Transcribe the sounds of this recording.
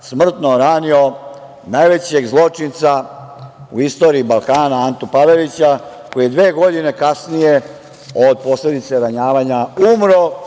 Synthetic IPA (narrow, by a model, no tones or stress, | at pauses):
smr̩t̪noɾaːnio̞ | najʋe̞t͡ɕe̞ɡzlˠo̞t͡ʂint̪sa | ṵist̪o̞ːɾiːbalˠkaːnaant̪upaʋelit͡ɕa | ko̞jied̪ʋe̞ːɡo̞d̪ine̞kasnije̞ | od̪̚po̞sle̞d̪it̪se̞ɾaɲaːʋaɲaumɾo